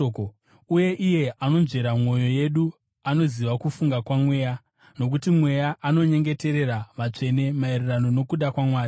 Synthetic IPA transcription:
k | uje̞ʔije̞ʔano̞nʐe̞ɾamwo̞jo̞je̞ɗu | ano̞ziʋakufuŋɡakwamwe̞ːja | no̞k̬utimwe̞jaʔano̞ɲe̞ŋɡe̞te̞ɾe̞ɾaʋat͡ʂe̞ne̞maererano̞no̞kuɗakwamwaːi

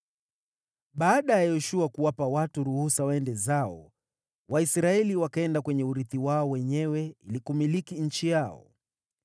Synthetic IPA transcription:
ɓaːɗajajɔʃuakuwapawatuɾuhusawaɛndɛzaɔ̰ | waisɾaɛliwakaɛndakwɛɲɛuɾiθiwaɔwɛɲɛwɛilikumilikiɲ̩t͡ʃijaɔ̰

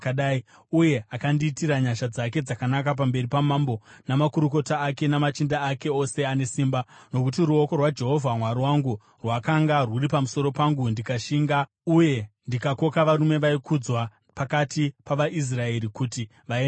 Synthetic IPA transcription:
kaɗai | uje̞akandiːtiɾaɲaʃad͡zak̬e̞d͡zakanakap̬ambe̞ɾipamambo̞namakuɾuko̞taːke̞namat͡ʃindaːke̞o̞se̞ane̞siːmbano̞kutiɾuoko̞rwad͡ʒe̞ɦo̞vʱamwaɾiwaŋɡu | rwakaŋɡarwuripamuso̞ɾo̞paŋɡundikaʃiːŋɡa | uje̞ndikako̞kaʋaɾume̞ʋaikʰud͡zwa | pakatipaʋaʔis̬rae̞ɾikuti | ʋa

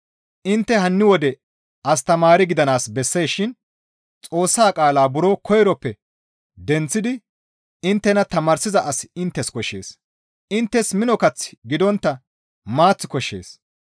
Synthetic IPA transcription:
ʔɪnt̪ːɛɦɐnːɪwɔd̪ɛ | ɐst̪ɐmaːɾɪɡɪd̪ɐnaːsbɛsːe̞ːʃɪn | t͡sʼo̞ːsːaːkʼaːlaːbʊɾoːkʰɔjɾɔpːɛ | d̪ɛnt͡sːɪd̪ɪ | ɪnt̪ːɛnɐt̪ɐmaːɾsɪzɐʔɐsɪnt̪ːɛskɔʃːe̞̰ːs | ʔɪnt̪ːɛsmɪnɔkɐt͡sːɪ̥ɡɪd̪ɔnt̪ːɐ | maːt͡sːɪ̥kɔʃːe̞̰ːs

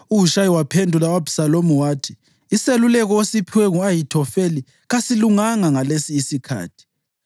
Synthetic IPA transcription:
uuʃaiwapʰendʱulawabi̥salomuwaːtʰi̥ː | selulɛɣ̬ɔosipʰiwɛŋuajitʰɔfeli | ɣasiluŋaŋaŋalesiːsikʰa̰ːtʰi̥

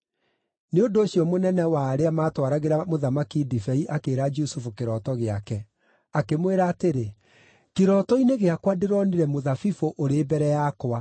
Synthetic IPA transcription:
neondoːɕjɔmonɛnɛwaːɾeamaːtwaɾaɣeɾamoðamakidifɛiʔakeːɾad͡ʒusufukeɾɔːtɔɣeakɛ | akemweɾaːteɾe | keɾɔtɔineɣeakwadeɾɔneɾɛmoðafifoʔoɾeːbɛɾɛjakoa

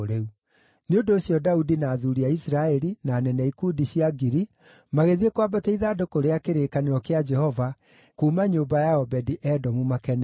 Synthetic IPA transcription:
ɾeu | neondoːɕjɔdaudinaːðuɾiaisɾaɛɾinaːnɛnɛikuːdiɕjaɡiɾi | maɣeðiekwabatɛiðadokoɾeakeɾeːkaneɾɔkead͡ʒɛhɔva | kumaɲombajaɔbɛdiʔɛdɔmumakɛn

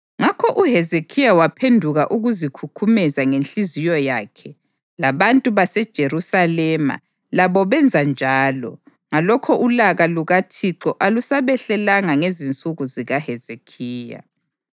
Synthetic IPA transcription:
ŋakʰɔʔuɦɛzekʰijawapʰendʱuɣaʔuɣuzikʰukʰumɛzaŋent͡ɬʼizijɔjaːkʰɛ | laβantʼuβasɛd̥ʒ̥ʱerusalɛma̰ | laβɔβɛnd͡zʱand͡ʒʱaːlɔ̰ | ŋalɔkʰɔʔulaɣaluɣatʰiǁɔʔalusaβɛɬɛlaŋaŋezint͡sʼuɣuziɣahɛzekʰiːja̰

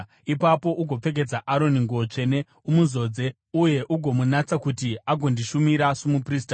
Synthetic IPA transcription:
ipapo̞ʔuɡʱo̞p͡fe̞k̬e̞d͡zaʔaɾo̞niŋɡuot͡ʂe̞ne̞ | umuzo̞ːd͡ze̞ | uje̞ʔuɡʱo̞munat͡sakutiaɡʱondiʃumiɾasomupriːsta

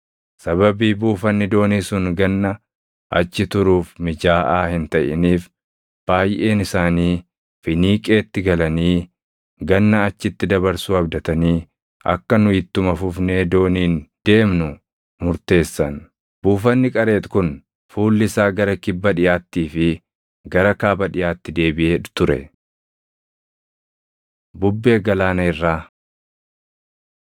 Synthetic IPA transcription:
sɐβɐbiːbuːfɐnːɪd̪o̞ːniːsʊŋɡɐnːɐ | ʔɐ̰t͡ʃːɪt̪ʊɾuːfmɪd͡ʒaːʔaːhɪnt̪ɐʔɪ̰niːf | b̥aːjʔe̞ːnɪsaːniː | fɪniːkʼe̞ːt̪ːɪɡɐlɐniː | ɡɐnːɐɐt͡ʃːɪt̪ːɪd̪ɐβɐɾsuɐbd̪ɐt̪ɐniː | ɐ̰kːɐnʊɪt̪ːʊmɐfʊfne̞ːd̪o̞ːniːnd̪̥e̞ːmnʊ | mʊɾt̪e̞ːsːɐn | buːfɐnːɪkʼɐɾe̞ːt̪kʊn | fuːlːɪsaːɡɐɾɐkɪbːɐᶑɪjaːt̪ːiːfɪ | ɡɐɾɐkaːbɐᶑɪjaːt̪ːɪd̪e̞ːbɪʔeːᶑ̪t̪ʊɾɛ̰ | bʊbːe̞ːɡɐlaːnɐɪrːaː

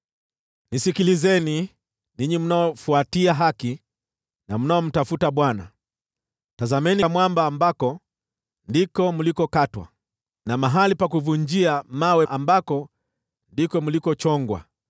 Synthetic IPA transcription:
nisikilizɛni | niɲim̩naɔfuatiaɦaki | nam̩naɔm̩tafutaɓwana̰ | tazamɛnimwambaːmbakɔ | ndikɔmulikɔkatwa̰ | namaɦalipakuvuɲd͡ʒiamawɛʔambakɔ | ndikɔmulikɔt͡ʃɔŋɡwa̰

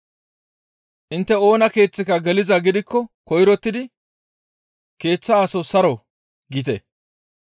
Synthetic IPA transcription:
ʔɪnt̪ːɛo̞ːnɐke̞ːt͡sːɪkɐɡɛlɪzɐɡɪd̪ɪkːɔkɔjɾɔt̪ːɪd̪ɪ | ke̞ːt͡sːɐːsɔsɐɾɔ | ɡɪt̪ɛ

